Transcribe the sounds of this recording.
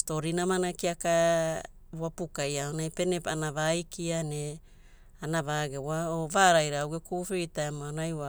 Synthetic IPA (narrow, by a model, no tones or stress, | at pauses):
sto̞ɾinamanakiaka | βwapukajaonajpe̞nepanaβajkiane | anaβaːɡewaovaːɾajɾaawɡekufejtaemoanajwa